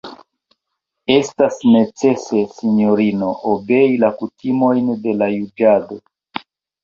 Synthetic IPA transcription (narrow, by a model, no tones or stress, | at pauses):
e̞stasne̞t͡se̞se̞sino̞ɾino̞ʔobe̞ilakutimo̞jnde̞lajud͡ʒado̞